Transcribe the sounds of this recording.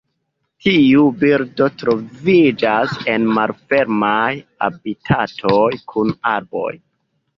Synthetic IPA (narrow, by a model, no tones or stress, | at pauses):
tʰiubiɾdo̞tɾo̞vid͡ʒase̞nmalfe̞ɾmaja̰bitʰatʰojkʰunaɾbo̞̰j